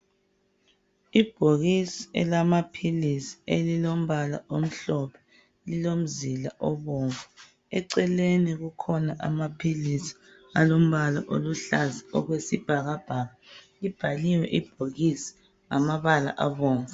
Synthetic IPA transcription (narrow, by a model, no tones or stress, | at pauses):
ib̥ʱoɣisiɛ̰lamapʰilisi̥elilom̩βala̰ʔom̩ɬɔpʰɛ̥ | lilom̩zilaʔɔβɔːŋvɛ | ɛǀɛleniɣukʰɔnaʔa̰mapʰilisi̥ | alom̩βala̰ʔo̰luɬaziɔɣwesib̥ʱaɣab̥ʱaɣalib̥ʱaliwɛʔib̥ʱoɣisi̥ | ŋamaβala̰ʔaβɔːŋvɛ